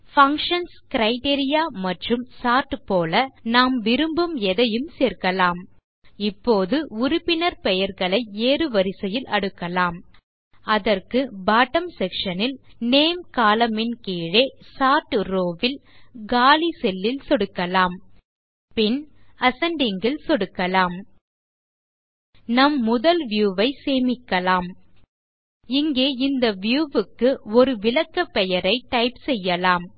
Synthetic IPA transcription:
fɐŋkʂɐnskɪɾɐɪʈeːɾɪjaːmɐʈrɯmsaːʈːɯpoːlɐnaːmʋɪɾɯmbɯmɛðɐjɯmseːrkɐlaːm | ɪpːoːðɯʊɾʊpːɪnɐɾpɛjɐɾɣɐɭɐɪeːɾɯʋɐɾɪsɐjɪlʔɐ̰ɽɯkːɐlaːm | ɐðɐrkɯbaːʈɐmsɛkʂɐnɪlneːmkaːlɐmɪnkiːɻesaːʈːɾoːʋɪlɡaːlisɛlːɪlsɔɽɯkːɐlaːm | pɪnɐsɐɳɖɪŋɡɪlsɔɽɯkːɐlaːm | nɐmːʊðɐlʋjuːʋɐɪseːmɪkːɐlaːm | ɪŋɡeːɪnd̪ɐʋɪjuːʋɯkːɯɔɾɯʋɪlɐkːɐpːɛjɐɾɐɪʈɐɪpsɛjːɐlaːm

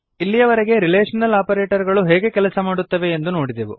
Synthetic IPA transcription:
ilːijɐʋɐɾeɡe̞ɾileːʂɐnɐlaːpɐɾeːʈɐɾɡɐɭuɦɛːɡe̞kɛlɐsɐmaːɽut̪ːɐʋe̞ːnd̪uno̞ːɽid̪eʋu

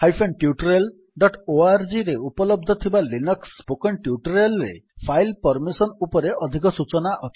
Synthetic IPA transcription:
hajpʰenʈjuʈɾel | ɖɔʈoaɾd͡ʒiɾeupɔlɔb̚d̪ʱɔt̪ʰibalinɔkspokɔnʈjuʈɔɾelɾḛpʰajlpɔɾmisɔnupɔɾeɔd̪ʱik̬ɔsut͡ʃɔnaʔɔt̪ʰ

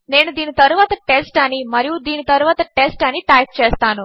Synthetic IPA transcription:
ne̞ːnud̪iːnit̪ɐɾuʋaːt̪ɐʈesʈɐnimɐɾijud̪iːnit̪ɐɾuʋaːt̪ɐʈesʈɐniʈɐjp̚t͡ʃɛːst̪aːnu

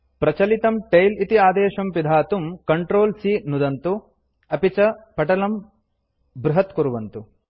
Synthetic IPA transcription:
pɾɐt͡ʃɐlit̪ɐmʈɐjlit̪iaːd̪eːʃɐmpid̪ʱaːt̪umkɐɳʈɾoːlsiːnud̪ɐnt̪u | ɐpit͡ʃɐpɐʈɐlɐm | bɾuɦɐt̪kuɾuʋɐnt̪u

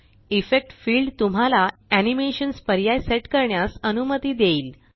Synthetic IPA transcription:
ifek̚ʈfiːlɖt̪um̤alaænimeɕənspəɾjajseʈkəɾɳjasənumət̪iːd̪eiːl

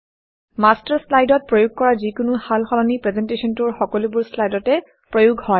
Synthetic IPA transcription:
mastaɹslajdɔt̚pɹojuɡ̚kɔɹazikʊnʊhalxɔlɔnipɹɛzɛntesɔntʊɹxɔkɔlubʊɹslajdɔtɛ | pɹojuɡʱhɔj

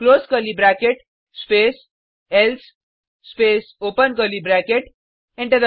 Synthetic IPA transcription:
kloːskəlibɾækeʈ | speːs | els | speːsoːpənkəlibɾækeʈ | ẽɳʈed̪ə

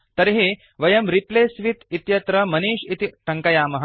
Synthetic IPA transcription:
t̪ɐɾɦe | ʋɐjɐmɾipleːsʋit̪it̪jɐt̪ɾɐmɐniːʃit̪iʈʰɐŋkɐjaːmɐɦɐ

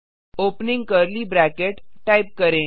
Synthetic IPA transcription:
opniŋɡkəɾliːbɾækeʈʈajp̚kəɾẽ

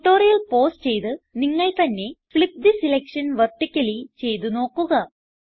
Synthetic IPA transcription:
ʈːo̞ːɾijɐlpo̞ːst͡ɕe̞jt̪ɨniŋːɐɭt̪ɐnːe̞fɭip̚d̪isilekʂɐnʋɐrʈːikʲːɐlit͡ɕe̞jt̪uno̞ːkːuɣɐ

